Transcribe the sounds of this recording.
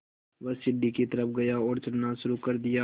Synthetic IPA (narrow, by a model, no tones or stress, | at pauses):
ʋɐsɪɖːikit̪ɐɾəpɡɐjaɔːɾt͡ʃɐɽnaʃʊɾukɐɾd̪ɪja